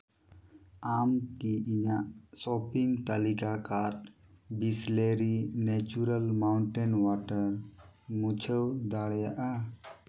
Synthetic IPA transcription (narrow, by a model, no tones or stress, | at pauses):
amkiiɲaʔsɔpiŋɡt̪alikakaɾʈbisleɾinɛt͡ʃuɾəlmawɳʈɛnwaʈəɾ | mut͡ʃʰəwd̪aɽjaʔa